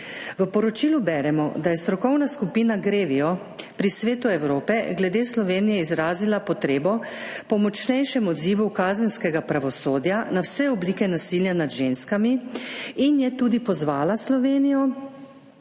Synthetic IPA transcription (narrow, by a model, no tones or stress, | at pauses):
ʋəpɔɾɔt͡ʃiːlubɛːɾɛmɔ̰d̪ajɛst̪ɾɔkɔwnaskupiːnaɡɾeːʋiɔ | pɾisʋeːt̪uɛwɾoːpɛɡlɛd̪eːslɔʋeːnijɛizɾaːzilapɔt̪ɾeːbɔ | pɔmɔt͡ʃnɛjʃɛmɔd̪ziːʋukaːzənskɛɡapɾaʋɔsoːd̪janawsɛɔbliːkɛnasiljanad̪ʒenskamiinjɛt̪uːd̪ipɔzʋaːlaslɔʋeːnijɔ